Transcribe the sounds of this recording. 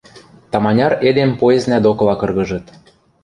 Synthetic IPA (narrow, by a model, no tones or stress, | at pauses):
t̪ɑmɑnʲɑred̪empoeznæd̪okɤ̆lɑkɤ̆rɣɤ̆ʒɤ̆t̪